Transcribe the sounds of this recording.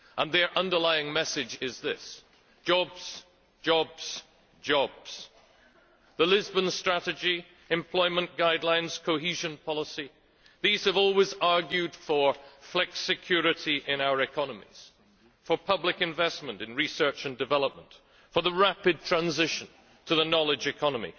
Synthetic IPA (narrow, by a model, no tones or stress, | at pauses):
ʔə̃nðə˞ʔʌ̃ndə˞laɪɪ̃ŋmɛsɪd͡ʒɪzðɪs | d̥ʒ̥ɑbz̥ | d͡ʒɔbz̥ | d͡ʒɔbz̥ | ðəlɪzbə̃nstɹ̥æɾɨd͡ʒi | ɨ̃mpʰl̥ɔɪmə̃nɡ̥aɪdˡlãɪ̃nz̥kʰoɦiʒɨ̃npʰɑlˠəsi | ðiz̥ɨvɔlˠwɪzɑɹɡjʉd̥fə˞flɛksɨkʰj̥ʊɹɨɾiʔɪ̃naʊə˞ɨkʰɑnəmḭz̥ | fə˞pʰʌblɨkɨ̃ɱvɛsmə̃ntɨ̃nɹisɜ˞t͡ʃɨ̃ndɨvɛlˠəp̚mə̃nt | fə˞ðəɹæpɨd̚tʰɹ̥æ̃nzɪʃɨ̃n | tʰəðənɑlˠɨd͡ʒɨkʰɑnəmḭ